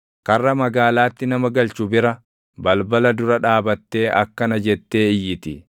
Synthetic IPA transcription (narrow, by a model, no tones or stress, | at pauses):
kɐrːɐmɐɡaːlaːt̪ːɪnɐmɐɡɐlt͡ʃʊbɪɾɐ | bɐlbɐlɐd̪ʊɾɐᶑaːbɐt̪ːe̞ːʔɐkːɐnɐd͡ʒɛt̪ːe̞ːɪjːɪt̪ɪ̰